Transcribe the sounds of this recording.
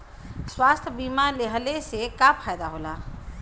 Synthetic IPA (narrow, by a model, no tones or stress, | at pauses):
swaːst̪ʰbiːmaleɦəlesekapʰaːjd̪aɦoːlaː